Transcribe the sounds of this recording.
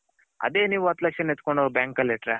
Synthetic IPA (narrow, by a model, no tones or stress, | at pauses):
ɐ̰d̪eːniːʋuɐt̪ːlɐkʂɐnet̪koɳɖobjaːŋkɐleʈɾe